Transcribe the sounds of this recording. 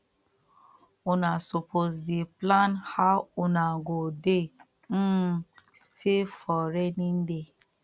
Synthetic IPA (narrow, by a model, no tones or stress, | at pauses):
unasopʰosdeplãnhaunaɡode | m̩sefɔɾɛnĩnde